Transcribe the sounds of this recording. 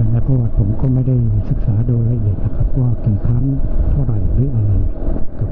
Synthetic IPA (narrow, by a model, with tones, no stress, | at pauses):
a˧˩laː˧˩kɔː˧˩˨t̪̚pʰo˨˩˦mkɔː˥˩ma˥˩jda˥˩jsɯ˨˩k̚saː˩˦doː˧jɾa˧ʔi˨˩ət̪̚na˧kʰa˦˥p̚ʰːwaː˥˩ki˨˩nkʰa˦˥˨ŋt̪ʰu˥˩ɐɾa˨˩jlɯː˦˥ʔa˧ɾa˧jka˧˩